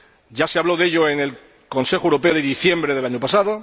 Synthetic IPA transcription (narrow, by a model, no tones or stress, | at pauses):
ɟ͡ʝase̞aβlo̞ðe̞ʎo̞ene̞l | ko̞nse̞xowɾo̞pe̞oðeðiθje̞mbɾeð̞e̞laɲopasaðo̞